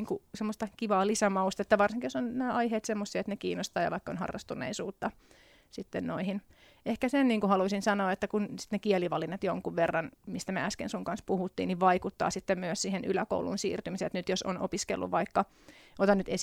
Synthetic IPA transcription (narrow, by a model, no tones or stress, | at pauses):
ŋkusemːost̪ɑkiʋɑːlisæmɑust̪ɑet̪ːæʋɑrsĩŋkijosonnæːʔɑiheːt̪semːosːiet̪nekiːnːost̪ɑːjɑ̰ʋɑikːo̰nhɑ̰rːɑ̰st̪unˑḛisuːt̪ːɑ | sit̪ːennoihin | ʔehkæsenniːŋkuhɑluisinsɑnoːet̪ːækunsi̥t̪nekieliʋɑlinːɑt̪joŋkuʋʋerːɑnmist̪æmeæskḛnsuŋkɑnspuhut̪ːḭːnniʋʋɑikut̪ːɑ̰ːsit̪ːemmyøssiːheny̰læko̰ulṵnsḭːrt̪ymiset̪nyt̪joso̰no̰piskḛlːṵʋʋɑikːɑ | ʔot̪ɑnnyt̪es